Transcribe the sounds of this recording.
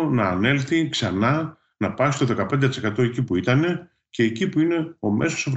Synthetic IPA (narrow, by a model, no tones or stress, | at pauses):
onɐːne̞lθiksɐnɐ | nɐpɐsi̥t̪o̞ðe̞kɐpe̞nd̪et̪ise̞kɐt̪o̞e̞cipuit̪ɐne̞ | ce̞ːcipuine̞o̞mʔe̞so̞sɐv